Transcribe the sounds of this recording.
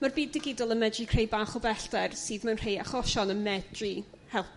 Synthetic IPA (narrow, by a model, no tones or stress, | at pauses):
marbiːdːɪɡɪdɔlˠənmɛdrikʰrejbaːχɔbɛɬdɛrsiːðmanr̥ejaχɔʃɔnəmɛdri | hɛlˠ